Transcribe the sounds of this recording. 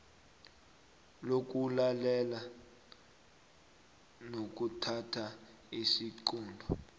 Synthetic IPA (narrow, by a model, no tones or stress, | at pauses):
lok̬ʼulalɛla | nok̬utʰatʰa | isiǃuːndʱɔ